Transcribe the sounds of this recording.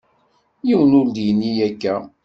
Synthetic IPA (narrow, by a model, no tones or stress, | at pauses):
jiwənuld̪ijnːijækːæ